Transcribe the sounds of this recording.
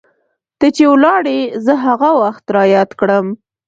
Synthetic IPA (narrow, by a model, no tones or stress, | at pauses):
t̪ət͡ʃewlɑɽezəɦaɣawaxt̪ɾɑjɑt̪kɽəm